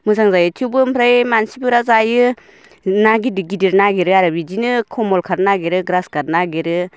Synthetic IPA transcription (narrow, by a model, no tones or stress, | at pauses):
mɯzaŋzajɯtʰubɯmpʰɾajmansipɯɾazajɯ | naɡidɯɡidiɾnaɡeɾɯaɾɯbizinɯkʰɔmɔlkʰaɾnaɡeɾɯɡɾaskaɾnaɡeɾɯ